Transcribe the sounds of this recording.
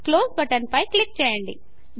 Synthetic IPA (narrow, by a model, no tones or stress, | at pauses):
kloːsbɐʈɐnpɐjklik̚t͡ʃɛːjɐɳɖḭ | d̪